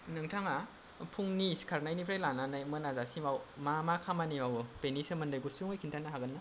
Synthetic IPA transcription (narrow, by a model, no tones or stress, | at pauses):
nɯŋtʰaŋa | pʰuŋniskʰaɾnajnipʰɾajlananajmɯnazasimawmamakʰamanimawpenisɯmɐndɯjɡusuŋɯjkʰintʰanaɦaɡɐnːa